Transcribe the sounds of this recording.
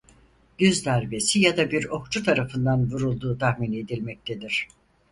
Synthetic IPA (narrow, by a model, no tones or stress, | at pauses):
ɟ̥yzd̪æɾbe̞sijad̪abiɾo̞k̚t͡ʃʰut̪ʰaɾafɯnd̪anvuɾulˠd̪uːt̪ʰahmine̞d̪ilʲmɛc̚t̪ʰe̞d̪iɾ̥